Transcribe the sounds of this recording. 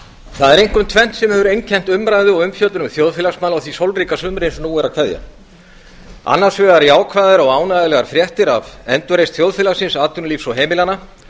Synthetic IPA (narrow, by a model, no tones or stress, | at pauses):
θaðɛɾejŋkʏmt̪ʰvɛn̥t̪sɛmhɛːvʏɾejncʰɛn̥t̪ʏmɾaːjðʏɔɣʏmfjœt̪ʏnʏmθjowðfɪːlaxsmaːlawθvisowlriːkasʏmɾensnuːɛɾakʰvaðja̰ | a̰nːḁsvɛɣaɾiaːwkʰvaːjðɪɾɔɣaːwnajðɪlɛɣaɾ̥fɾjɛht̪ɪɾavɛnt̪ʏɾejst̪θjowðfɪːlasɪnsaːt̪ʏnliːfsɔɦeːmɪlana